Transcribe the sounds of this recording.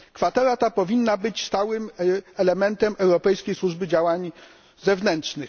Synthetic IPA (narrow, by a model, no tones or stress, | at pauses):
kfat̪ɛɾat̪apɔvʲinːabɘt͡ɕst̪awɘmɛlɛmɛnt̪ɛmɛwɾɔpɛjskʲejswuʐbɘd͡ʑawaɲ | zɛvnɛntʂnɘx